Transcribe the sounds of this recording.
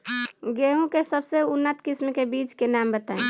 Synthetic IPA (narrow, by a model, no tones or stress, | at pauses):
ɡeɦũkesəbseʊnːət̪kismkebit͡ʃkenambət̪aẽ